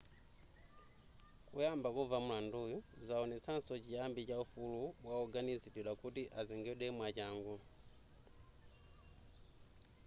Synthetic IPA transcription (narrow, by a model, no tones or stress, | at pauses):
kujambakuvamulandujuzaɔnɛt͡sansocijambicaufulubwauɡanizitilakutiʔaziŋɡɛɗɛmwat͡ʃaːŋɡu